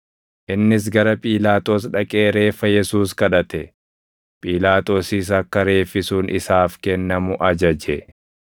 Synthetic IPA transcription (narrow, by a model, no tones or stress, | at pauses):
ʔɪnːɪs̬ɡɐɾɐpʼiːlaːt̪ʼo̞ːsᶑɐkʼe̞ːɾe̞ːfːɐjɛsuːskɐᶑɐt̪ɛ | pʼiːlaːt̪o̞ːsiːs̬ɐkːɐɾe̞ːfːɪsuːnʔɪsaːfkɛnːɐmʊʔɐd͡ʒɐd͡ʒɛ